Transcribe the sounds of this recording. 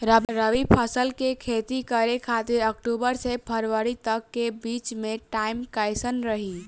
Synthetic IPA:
ɾəɾəʋipʰəsəlkekʰet̪ikəɾekʰat̪iɾəkʈubəɾsepʰəɾʋəɾit̪əkːebit͡ʃmẽʈaɪmkajsənɾəɦi

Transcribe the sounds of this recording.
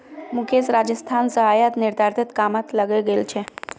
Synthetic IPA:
mukʰet͡sɾad͡ʑəst̪ʰansəɦajat̪niɾd̪ʱaɾt̪ʰet̪kamat̪ləɡeɡelt͡ɕʰe

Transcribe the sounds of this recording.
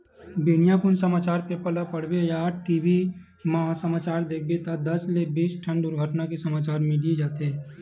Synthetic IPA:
binijapʊnsəmaːt͡ʃaːɾpepəlapəɽbejaːʈʈiːbi | məɦasəmaːt͡ʃaːɾd̪eːk̚ʰbet̪ad̪ɐslebiːt͡ʃʈʰə̃nd̪ʊɾɡʱəʈnakisəmaːt͡ʃaːɾmiɖied͡ʒaːt̪ɦeː

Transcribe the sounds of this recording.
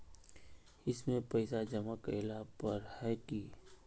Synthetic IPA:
ɪsmẽpɐɪsad͡ʒɐmakəɪlapɐɾhɛki

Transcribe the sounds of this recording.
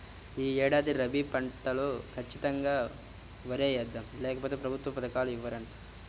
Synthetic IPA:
iːɛːɽaːd̪iɾɐbipɐɳʈːɐlukʰɐt͡ʃːit̪ɐŋɡaː | ʋɐɾeːjɐd̪ːɐmlɛːkɐpoːt̪eːpɾɐbʱut̪ʋɐpɐt̪ɐkaːluiʋːɐɾɐɳʈɐ

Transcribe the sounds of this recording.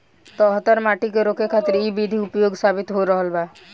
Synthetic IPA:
t̪ɔːɦt̪əɾmaʈikeɾokekʰat̪ɾibid̪ʱiupjoɡsabit̪ɦoɾəɦəlba

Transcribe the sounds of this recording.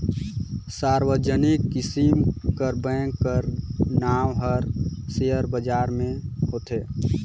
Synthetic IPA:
saɾwəd͡ʒənikːisimkəɾbə̃ŋkkːəɾnawɦəɾseəɾbəd͡ʒaːɾmẽhot̪e

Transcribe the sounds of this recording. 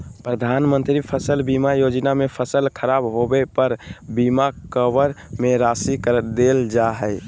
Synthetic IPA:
pɾəd̪ʱanmənt̪ɾipʰəsəlbimajod͡ʒnamepʰəsəlkʰəɾabɦobepəɾbimakkəʋəɾmeɾasikəɾd̪eld͡ʒaɦəj

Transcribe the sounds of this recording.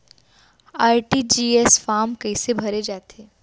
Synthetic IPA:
aːjʈid͡ʒiːesfaːmkəɪsebʱɐɾed͡ʒaːt̪ʰeː

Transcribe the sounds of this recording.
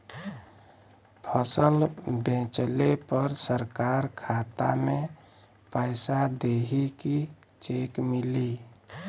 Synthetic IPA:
pʰəsəlbẽt͡ʃlepəɾsəɾkaɾkʰat̪a̰me | paɪsad̪eɦiki | t͡ʃekmili

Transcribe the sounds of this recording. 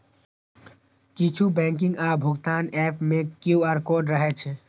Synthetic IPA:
kit͡ʃʰubɛ̃ŋk̬ɪ̃ŋɡabʱʊɡt̪aːnɛpmẽkjuaɾkoːɖɾəɦɛt͡ʃʰɛ

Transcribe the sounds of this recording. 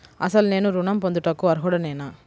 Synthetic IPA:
ʔɐ̰sɐlneːnuɾʊnɐmpɔnd̪ɯʈːɐkːuɐɾɦoɽɐneːnaː

